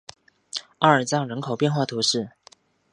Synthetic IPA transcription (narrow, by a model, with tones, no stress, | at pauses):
a˥˩ə˞˨˩t͡sɑ˥˩ŋɻə˧˥nkʰo˨˩ʊpjɛ˥˧nxwa˥˩t̪ʰu˧˥ʂɻ̩˥˩